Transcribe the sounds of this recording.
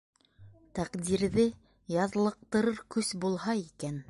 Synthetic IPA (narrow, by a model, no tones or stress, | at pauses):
t̪æqd̪iɾðɘ | jɑðlˠɤ̆q̚t̪ɤ̆ɾɤɾkɵsbulˠhɑikæn